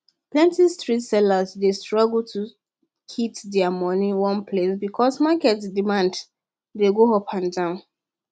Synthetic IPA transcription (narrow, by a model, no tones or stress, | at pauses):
plɛ̃ntistɹitsɛlazdestɹɔɡultʰu | kʰitdɛamɔniwɔ̃npʰlesbikʰɔsmakɛtsdimãnd | deɡoɦopʰãndãʊ̃n